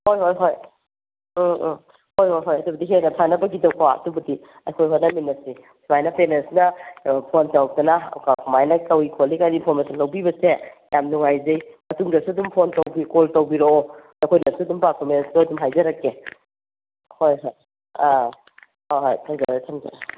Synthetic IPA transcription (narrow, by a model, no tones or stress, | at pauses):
hojɦojɦoj | hojhojɦojɐdubɐdiɦenɐtʰanɐbɐɡidɐwpaɐ̰tubɐdi | ɐjkʰojɦonɐminːɐsi | sʰumajnɐpenensnɐpʰontɐw̚dɐnɐkakʰumajnɐkɐwikʰolikajnipʰoɾmasɐnlɐwbibɐsejamnuŋajzɐjmɐtuŋdɐsuɐdumpʰontɐwbikoltɐwbiɾoɔ | akʰojnɐsuɐdumpaɾkʰomensdoɐdumɦajzɐɾɐkːe | hojɦoj | a | oɦo̰jtʰɐŋzɐjtʰɐŋzɐ̰ɾ